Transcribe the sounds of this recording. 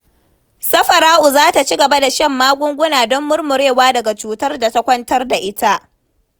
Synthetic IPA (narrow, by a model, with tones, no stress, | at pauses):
sɐ˦ɸɐ˨ɾaː˦ʔʊ˨zaː˦ta˨t͡ʃi˦ɡɐ˨ba˦da˨ʃɐ˦mːaː˦ɡʷʊ˦ŋɡʷʊ˦naː˨dɔ˦mːʊ˦rmʊ˨ɾeː˦˨waː˦dɐ˨ɡa˨t͡ʃuː˨tɐ˦rda˨ta˦kʷɐ˦ntɐ˦rda˨ʔɪ˦ta˦ʔ